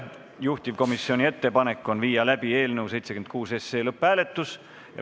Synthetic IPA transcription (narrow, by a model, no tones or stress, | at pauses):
juht̪ʲivko̞misːio̞nʲie̞t̪ːe̞pɑne̞kːˑo̞nviːjɑlæb̥ie̞ːlnewse̞jt̪sekymnd̪kuːse̞se̞ːlɤpːˑæːle̞t̪ːˑus | jɑ̰